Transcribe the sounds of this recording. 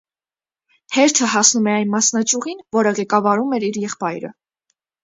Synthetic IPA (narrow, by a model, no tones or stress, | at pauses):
hɛɾt̪ʰəɦɑsnumɛɑjnmɑsnɑt͡ʃuʁinvɔɾəʁɛkɑvɑɾumɛɾiɾjɛχpɑjɾə̰